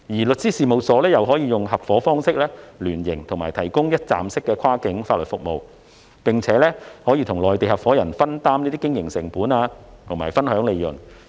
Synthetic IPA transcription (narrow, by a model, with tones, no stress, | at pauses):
jiː˨˩lɵ˨t̚t͡ssiː˥siː˨˧mo˨˧wsɔː˨˥lɛː˥jɐ˨wɦɔː˨˥jiː˧jʊ˨ŋɦɐ˨p̚fɔː˨˥fɔː˥ŋsɪ˥k̚lɛː˥lyː˨˩njɪ˨˩ŋt̪ʰʊ˨˩ŋmaː˨˩jt̪ʰɐ˨˩jkʊ˥ŋjɐ˥t̚t͡sa̰ː˨msɪ˥kːɛː˧kʰaː˥kɪ˨˥ŋfaː˧t̚lɵ˨t̚fʊ˨k̚mo˨w | pɪ˨ŋt͡sʰɛː˨˥lɛː˥hɔː˨˥jiː˧t̪ʰʊ˨˩ŋlɔː˨jt̪e˨jhɐ˨p̚fɔː˨˥jɐ˨˩nfɐ˥nt̪aː˥mniː˥t̪iː˥kɪ˥ŋjɪ˨˩ŋsɪ˨˩ŋpuː˨˥naː˧t̪ʰʊ˨˩maː˨˩jfɐ˥nhœː˨˥ŋle˨˧jjɵ˨˩n